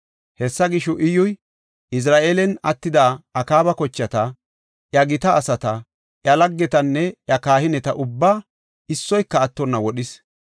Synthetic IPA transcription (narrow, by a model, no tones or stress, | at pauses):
hɛsːɐɡɪʃɔʔɪjʊj | ɪs̬ɾaːʔeːlɛnɐt̪ːɪd̪aːɐkaːbɐkɔt͡ʃːɐt̪ɐ | ʔjɐɡɪt̪ɐːsɐt̪ɐ | ʔjɐlɐɡːɛt̪ɐnːɛjɐkaːhɪnɛt̪ɐʔʊbːaː | ɪsːɔjkːɐːt̪ːɔnːɐwɔɗɪs